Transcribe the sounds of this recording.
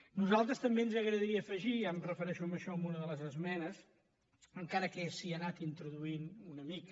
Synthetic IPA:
nuzalˠt̪ɾəst̪əmbeənzəɣɾəðəɾiəfəʒiəmrəfəɾɛʃuəməʃɔəmunəðələzəzmɛnəs | əŋkaɾəkɛsiənat̪int̪ɾuðuinunəmik

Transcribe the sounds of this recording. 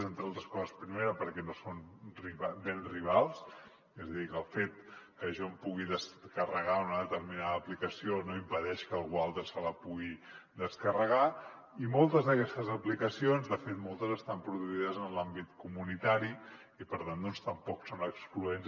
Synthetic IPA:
zent̪ɾalˠt̪ɾəskɔzəspɾimeɾəpəɾkɛnosonriβabenriβ̞alˠs | ezəðikəlˠfet̪̚kəʒɔmpuɣiðəskərəɣaunəðət̪əɾminaðəːplikəsionoimpəðɛʃkəːlˠɣualˠt̪ɾəsələpuɣid̪əskərəɣa | imolˠt̪əzðəkɛst̪əzəplikəsionzðəfet̪molˠt̪əzəst̪ampɾuðuuiðəzənlambit̪kumunit̪aɾi | ipəɾt̪and̪ɔnst̪əmpɔksonəkskluenz

